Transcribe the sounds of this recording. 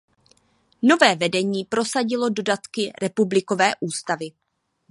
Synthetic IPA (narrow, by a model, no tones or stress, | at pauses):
no̞vɛːvɛdɛɲiːpɾo̞saɟɪlo̞do̞dat̪kɪɾɛpublɪko̞vɛːʔuːst̪avɪ